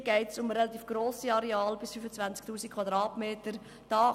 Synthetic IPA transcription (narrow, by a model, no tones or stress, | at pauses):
ɡɛɪtsʊmɾɛlɑt̪iːfɡ̥ɾoːsiɑɾɛɑːlbɪsfyfət͡sʋvænt͡sk̚tuːsikʰvɑd̪ɾɑːtmeːtəɾ | d̥ɑː